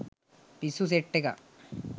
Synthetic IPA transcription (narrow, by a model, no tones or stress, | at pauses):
pisus̬eʈːeka̰